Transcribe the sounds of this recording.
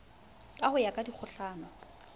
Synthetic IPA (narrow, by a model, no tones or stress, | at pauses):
kʼahʊjakʼadik͡xʰʊɬaːnɔ